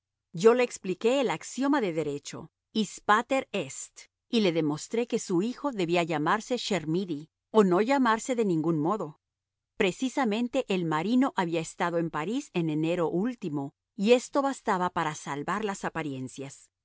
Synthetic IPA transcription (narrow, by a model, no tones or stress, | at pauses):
ɟ͡ʝo̞le̞ːksplike̞ːlaksjo̞maðe̞ðe̞ɾe̞t͡ʃo̞̰ | ispat̪e̞ɾest̪ | ile̞ðe̞mo̞st̪ɾe̞ke̞suixo̞ðe̞βiaʝamaɾse̞ʃe̞ɾmiði | ono̞ʝamaɾse̞ðe̞nĩŋɡunmo̞ðo̞ | pɾe̞sisamẽ̞nt̪e̞ʔelmaɾino̞ʔaβiaest̪að̞o̞e̞mpaɾise̞nene̞ɾo̞ʔult̪imo̞ | ie̞st̪o̞βast̪aβapaɾasalβaɾlasapaɾje̞nsjas